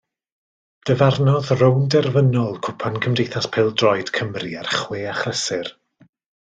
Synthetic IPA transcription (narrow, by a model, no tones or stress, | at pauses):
d̥əvarnɔðrowndɛrvənɔlˠkʰʊpʰankʰəmdejθaspʰɛlˠdrɔjd̥kʰəmriarχwɪaχrɛsɪr